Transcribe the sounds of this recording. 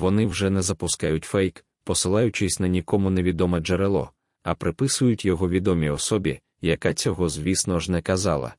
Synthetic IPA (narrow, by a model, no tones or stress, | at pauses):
ʋɔnɪwʒɛnɛzɐpʊskajʊtʲfɛjk | pɔsɪlˠɑjʊt͡ʃɪsʲnɐnʲikɔmʊneʋʲid̪ɔmɐd͡ʒeɾelˠɔ̰ | ɐpɾɪpɪsʊjʊtʲjɔɦɔʋʲid̪ɔmʲiɔsɔbʲḭ | jɐkat͡sʲɔɦɔzʲʋʲisnɔʒnɛkɐzɑ̰lˠɐ̰